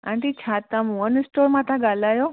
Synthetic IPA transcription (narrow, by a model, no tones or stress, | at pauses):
ã̰ɳʈit͡ʃʰaːt̪ãmũənsʈoːɾmãt̪ʰãɡalaːjoː